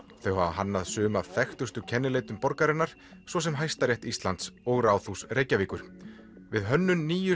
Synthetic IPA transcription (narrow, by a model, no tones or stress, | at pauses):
θeɦaaɦanːaðsʏːʏmav̥θɛxt̪ʏst̪ʏcʰɛnːɪleːjt̪ʏmpɔɾkaɾɪnːaɾ̥ | svɔsɛmɦajst̪aɾjɛht̪ist̪lant̪sɔɣraːwθusrejcaviːkʏɾ̥ | vɪðɦœnːʏnːiːjʏ